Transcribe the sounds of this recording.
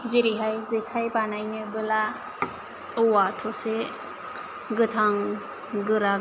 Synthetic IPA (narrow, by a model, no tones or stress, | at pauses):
ziɾiɦajzekʰajbanajnɯbɯla | ɯwatʰɔse | ɡɯtʰaŋ | ɡɯɾa